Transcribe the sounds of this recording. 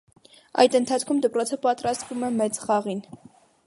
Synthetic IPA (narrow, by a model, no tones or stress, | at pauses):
ɑ̰jt̪ənt̪ʰɑt͡sʰkʰumd̪əpɾɔt͡sʰəpɑt̪ɾɑst̪vumɛmɛt͡sχɑʁin